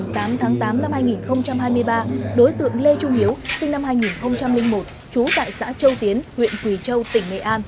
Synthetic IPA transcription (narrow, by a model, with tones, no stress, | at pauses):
t̪aː˨˦mt̪ʰaː˨˦ŋt̪aː˨˦mna˧mhaː˧jŋi˨˩nxə˧wŋ͡mt͡ɕa˧mɦaː˧jmɨ˧əjɓaː˧ɗo˨˦jt̪ɨ̰˧˨əŋle˧t͡ɕʊ˧ŋ͡mʔi˨˦əwsï˧ŋ̟na˧mhaː˧jŋi˨˩nxə˧wŋ͡mt͡ɕa˧mlï˧ŋ̟mo˨˩t̚ | t͡ɕu˨˦t̪a̰ː˧˨jsa̰ː˧˥t͡ɕə˧wt̪i˨˦ənhwḭ˧˨ənkwi˧˩t͡ɕə˧wt̪ï˧˩ŋ̟nḛ˧˨ʔaː˧n